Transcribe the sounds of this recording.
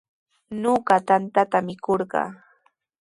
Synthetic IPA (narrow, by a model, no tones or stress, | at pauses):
noɢɑt̪ant̪at̪amɪkoɾɢɑ̰ː